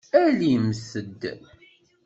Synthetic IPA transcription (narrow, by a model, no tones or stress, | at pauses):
ælimsəd̪ː